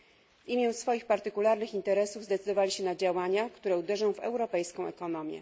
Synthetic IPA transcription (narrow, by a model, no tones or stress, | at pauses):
vimʲjɛw̃sfɔjixpaɾt̪ɘkulaɾnɘxint̪ɛɾɛsuvzd̪ɛt̪sɘd̪ɔvalʲiɕɛnad͡ʑawaɲakt̪uɾɛud̪ɛʐɔ̃w̃vɛ̰wɾɔpɛjskɔ̃w̃ʔɛ̰kɔnɔmʲjɛ̰